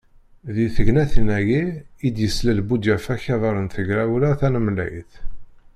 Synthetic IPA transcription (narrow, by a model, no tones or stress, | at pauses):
ðiθəʝnæθinæjiid̪jəslælbud̪jæfæçɑðˤɑɾˤənθəʝɾæwləθænəmlæ̰jθ